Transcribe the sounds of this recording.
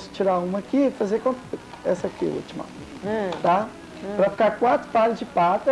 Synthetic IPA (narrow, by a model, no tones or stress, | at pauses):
st͡ʃiɾaũmɐkifazekõ | ɛsɐkḭṵt͡ʃimɐ̰ | t̪a | pɾɐfi̥kaɾkwat̪ɾʊ̥palɪzd͡ʒɪpat̪ɐ